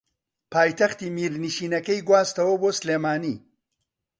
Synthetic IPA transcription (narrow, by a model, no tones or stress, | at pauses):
pʰaːjt̪ɐxt̪iːmiːɾniʃiːnɐkɐjɡwaːst̪ɐwɐboːslemaːniː